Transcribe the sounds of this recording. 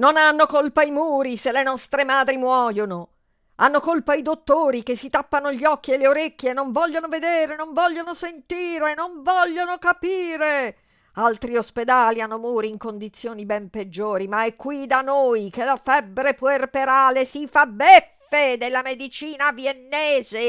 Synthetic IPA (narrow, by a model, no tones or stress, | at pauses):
nonanːokolpaimuːɾiselːenɔst̪ɾemaːd̪ɾimwɔːjono | anːokolpaid̪ot̪ːoːɾikesːit̪apːanoʎiɔkːielːeoɾekːjeːnːoɱvɔʎːonoved̪eːɾenoɱvɔʎːonosent̪iːɾenoɱvɔʎːonokapiːɾe | alt̪ɾiosped̪aːlianːomuːɾiːŋkond̪it̪sːjoːnibɛmped͡ʒːoːɾimaɛkːwid̪anojkelafɛbːɾeperpeɾaːlesifabːɛf | ed̪elːamed̪it͡ʃiːnaviɛnːɛːze